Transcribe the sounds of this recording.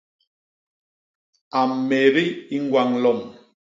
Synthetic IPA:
a˨m˨me˨ɾi˦i˦ŋ˦ɡwa˦˨ŋlɔ˦˨m

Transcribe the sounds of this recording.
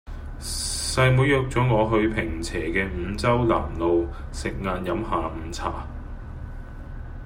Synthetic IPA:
sɐ˧jmuː˨˥jːœː˨˧k̚t͡sɔː˨˥ŋɔː˨˧ɦɵ˧ɥpʰɪ˨˩ŋt͡sʰɛː˨˩kɛː˧m̩˨˧t͡sɐ˥wla̰ː˨˩mlo˨w | sɪ˨k̚ŋaː˨˧njɐ˨˥mhaː˨m̩ː˨˧t͡sʰa̰ː˨˩

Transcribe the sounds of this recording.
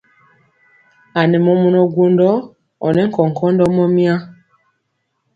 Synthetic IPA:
a˨nɛ˨mɔ˨mɔ˨nɔ˨ɡu˦ndɔ˦ | ɔ˨nɛ˦ŋ̩˦kɔ˨ŋ̩˨kʰɔ˦ndɔ˦mɔ˦mi˦a˦

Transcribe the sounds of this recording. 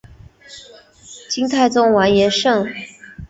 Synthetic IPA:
t͡ɕi˥ŋt̪ʰa˥˩ɪt͡sʊ˥ŋwa˧˥njɛ˧˥nʂɤ˥˩ŋ

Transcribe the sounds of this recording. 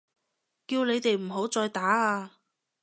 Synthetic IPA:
kiː˧wne˨˧jt̪e˨jm̩˨˩ɦo˨˥wt͡sɔː˧jt̪aː˨˥aː˧

